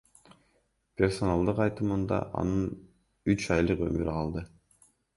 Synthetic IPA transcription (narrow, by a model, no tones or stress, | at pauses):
pʲe̞rso̞nɑlˠd̪ɯqɑjt̪ɯmɯnd̪ɑ̰ʔɑ̰nɯn | yt͡ʃɑjlˠɯqø̰my̰ɾqʰɑlˠd̪ɯ